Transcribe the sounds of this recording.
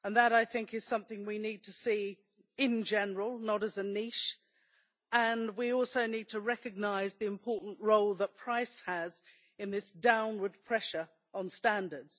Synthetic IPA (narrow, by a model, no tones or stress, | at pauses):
ə̃nðəɾaɪθɪ̃ŋkɨz̥sʌ̃mθɪ̃ŋwinid̚tʰɨsi | ɪ̃nd͡ʒɛnə˞əl̩ˠnəɾɨzɨniʃ | ə̃nwiɔlˠsoʊnid̚tʰəɹɛkɨɡ̚naɪzðiɨ̃mpʰɔɹʔn̩ʔɹoʊlˠðət̚pʰɹ̥aɪshəz | ɨ̃nðɪsd̥ãʊ̃nwə˞d̚pʰɹ̥ɛʃə˞ | ə̃nstæ̃ndə˞dz̥